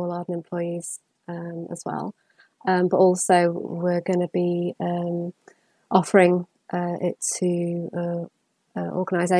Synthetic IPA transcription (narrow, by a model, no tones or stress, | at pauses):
ɔlɑːdənɛ̃mpʰl̥ɔɪiz̥ | ə̃mə̰zwɛ̰lˠ | ə̃mbʌtɔˑlˠsəʊwɪɡənəbiə̃m | ʔɒfəɹɪ̃ŋ | ʔəɪtʰəə | əʔɔ̰ːɡənaɪze